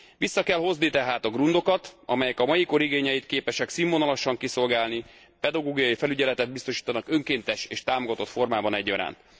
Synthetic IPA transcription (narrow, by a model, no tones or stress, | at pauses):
ʋisːɒkɛlho̞znit̪ɛɦaːt̪ɒɡrund̪o̞kɒt̪ɒ̰mɛjɛkɒmɒjiko̞ɾiɡeːɲɛjit̪keːpɛʃɛksimonɒlɒʃɒŋkiso̞lɡaːlni | pɛd̪ɒɡoːɡijɒjifɛlyɟɛlɛt̪ɛd̪̚bist̪o̞ʃiːt̪ɒnɒkø̞ŋkeːnt̪ɛʃeːʃt̪aːmoɡɒt̪o̞t̪fo̞rmaːbɒnɛɟːɒɾa̰ːnt̪